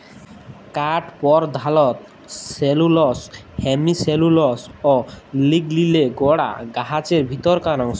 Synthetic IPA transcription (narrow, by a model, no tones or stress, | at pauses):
kaʈpɔɾd̪ʱalɔt̪ | selulɔs | hemiselulɔsoliɡlileɡɔɽa̰ɡaɦat͡ɕeɾbʱit̪ɔɾkanɔŋsɔ